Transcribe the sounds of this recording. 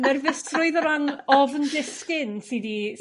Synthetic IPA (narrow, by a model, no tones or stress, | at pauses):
nɛrvɪstʰrʊɨðɔɾanɔvəndɪskɪnsidi